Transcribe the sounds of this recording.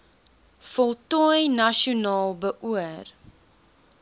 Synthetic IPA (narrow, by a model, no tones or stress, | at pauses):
fɔlˠtɔjnɐʃiunɑːlˠbəʔuər